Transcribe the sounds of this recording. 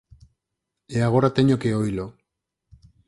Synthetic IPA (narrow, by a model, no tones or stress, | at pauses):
eaɣoɾat̪eɲokeojlo